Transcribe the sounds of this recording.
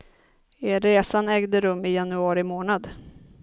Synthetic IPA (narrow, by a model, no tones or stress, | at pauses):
eɾːeːsanɛːɡd̪əɾɵmːɪjanɵɑːɾɪmoːnad̪